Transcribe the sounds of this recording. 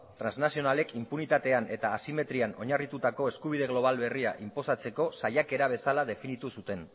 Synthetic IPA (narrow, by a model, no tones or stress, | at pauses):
t̪ɾanznasio̞nale̞kʰimpunit̪at̪e̞ane̞t̪aːsime̞t̪ɾiano̞ɲarit̪ut̪ako̞e̞skuβ̞ið̞e̞ɣlo̞β̞alβe̞riaʔimpo̞sat͡se̞ko̞sajake̞ɾaβ̞e̞salaðe̞finit̪usut̪e̞n